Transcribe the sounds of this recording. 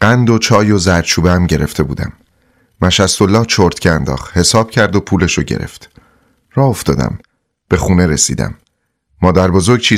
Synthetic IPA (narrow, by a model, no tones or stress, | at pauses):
ɢ̥ænd̪ot͡ʃʰɒːjo̞zæɾt͡ʃʰuːbeæmɟe̞ɾe̞ft̪e̞bṵːd̪æ̰mː | æʃæst̪o̞lːɒːht͡ʃʰoɾt̪cʰeænd̪ɒ̰ːχhe̞sɒːb̥cʰæɾd̪o̞pʰuːleʃoɟe̞̰ɾe̞̰ft̪ | rɒːho̞ft̪ɒ̰ːd̪æ̰m | b̥e̞xuːne̞ɾesḭːd̪æ̰mː | ɒːd̪æɾbozo̞ɾɡ̚t͡ʃʰiː